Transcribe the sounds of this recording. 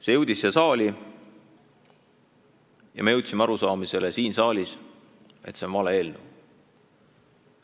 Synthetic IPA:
se̞jɤwd̪̥isːesɑːlʲi | jɑ̰me̞jɤwt̪ʲˑsimeɑɾusɑːmise̞lesiːnsɑːlʲis | e̞t̪senvɑleeːlnṵw

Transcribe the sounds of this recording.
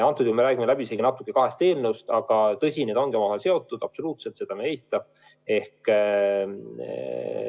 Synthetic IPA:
ɑnt̪ːˑud̪jkume̞ɾæːɡ̥imelæb̥isenɑt̪ːˑu̥kːˑe̞kɑɦe̞st̪eːlnust̪ɑɡ̥ɑt̪ɤsʲined̪o̞nɡemɑohese̞o̞t̪ːˑud̪̥ɑb̥so̞luːt̪selt̪se̞d̪ɑmeejt̪ːˑɑ | e̞hk

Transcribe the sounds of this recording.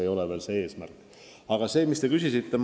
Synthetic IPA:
ejo̞leve̞ːlsee̞ːsmærkː | ɑɡ̥ɑse̞ːmist̪e̞kysʲisit̪ːe

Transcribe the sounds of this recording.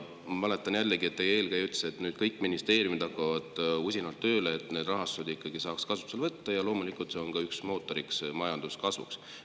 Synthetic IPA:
mɑle̞t̪ːˑɑnjælːeɡie̞t̪ːejeːlkæjyt̪seet̪nyːd̪̥̚kɤjkːˑminist̪e̞ːɾjumid̪ɑkːɑvɑd̪̥usʲinɑlt̪ːø̞ːleet̪ˑne̞ːd̪̥rɑɦɑst̪ud̪ikːɑɡisɑːkskɑsu̥pselvɤt̪ːɑjɑlo̞ːmulikult̪se̞o̞nɡkɑyksmo̞ːt̪ːˑo̞ɾiksmɑjɑnd̪̥uskɑsvṵks

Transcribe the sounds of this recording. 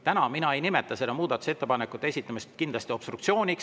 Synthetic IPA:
t̪ænɑminɑe̞jnimet̪ːˑɑse̞d̪ɑmuːd̪̥ɑt̪ːˑu̥se̞t̪ːˑepɑnekːˑut̪ːeesʲit̪ːˑɑmist̪kind̪lɑsʲt̪io̞b̥st̪ɾukt̪sio̞ːnʲik

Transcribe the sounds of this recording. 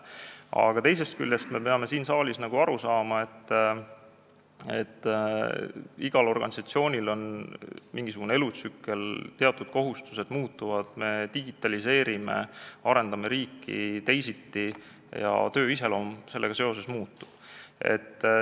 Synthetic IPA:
ɑ̰ɡ̥ɑt̪e̞js̬e̞st̪̚ky̰lʲːest̪me̞pe̞ɑme̞siːnsɑːlʲisnɑɡ̥uɑɾusɑːmɑe̞t̪ː | ḛt̪ː | iɡ̥ɑlo̞rɡ̥ɑ̰nisɑt̪sio̞ːnʲilo̞nmiŋɡ̥isuɡunee̞lut̪sykːe̞lt̪e̞ɑt̪ːˑud̪̥̚ko̞ɦust̪u̥se̞d̪̥muːt̪ːˑuvɑd̪̥me̞t̪iɡit̪ːˑɑlise̞ːɾime̞̰ɑɾe̞nd̪ɑme̞ɾiːkʰːḭt̪e̞jsit̪ːi | jɑ̰t̪ø̞ːise̞lo̞mse̞lːe̞ɡ̥ɑse̞o̞s̬e̞smuːt̪ːu̥ | e̞̰t̪ː

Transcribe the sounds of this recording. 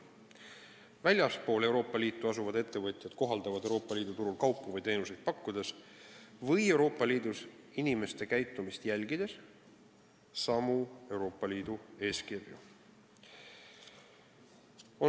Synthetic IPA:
vælʲjɑspo̞ːle̞wɾo̞ːpːˑɑlʲiːt̪ːˑuɑsuvɑd̪e̞t̪ːe̞vɤt̪ʲˑjɑd̪̥ko̞ɦɑld̪̥ɑvɑd̪ewɾo̞ːpːɑliːd̪ut̪uɾulkɑwpːuvɤjt̪e̞ːnuse̞jd̪̥̚pɑkːud̪̥e̞s | vɤje̞wɾo̞ːpːˑɑliːd̪usinime̞st̪e̞kæjt̪ˑːumist̪jælʲɡ̥id̪̥e̞s | sɑmue̞wɾo̞ːpːˑɑlʲiːd̪ue̞ːskirjṵ | o

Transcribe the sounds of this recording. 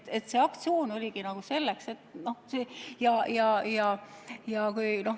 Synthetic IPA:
et̪ːse̞ːɑkt̪sio̞ːno̞lʲiɡinɑɡ̥use̞lːekse̞t̪ːˑno̞hsejɑjɑjɑjɑkujno̞h

